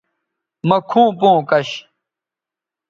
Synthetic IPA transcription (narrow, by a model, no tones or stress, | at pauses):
mɐkʰũːpõːkɐɕ